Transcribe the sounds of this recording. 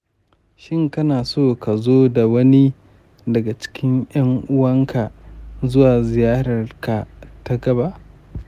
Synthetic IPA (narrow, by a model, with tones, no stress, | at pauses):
ʃɪ˦ŋkɐ˦naː˨soː˦ka˨zoː˦da˨wɐ˦ni˦ | dɐ˨ɡa˨t͡ʃɪ̥˦kʲɪ˦ŋj̰ɐ˦ŋʔʊ˦wɐ˦ŋkʰa˨zʊ˦waː˨zɪ˨jaː˦ɽɐ˨rka˨ta˦ɡɐ˦ba˦ʔ